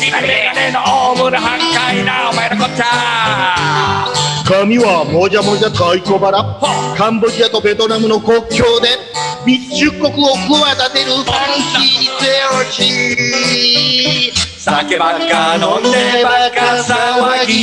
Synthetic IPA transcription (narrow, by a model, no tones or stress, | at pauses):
nenoomɯɾɯɦakainamaeɾakotːa | kamʲiβamod͡ʑamod͡ʑat̪aikobaɾakãmbod͡ʑiat̪obet̪onamɯ̟nokokʲjoːd̪e̞ | mit͡ɕɨkːokɯokɯmat̪at̪eɾɯãŋkiseoɕi | sakanoneeakasaai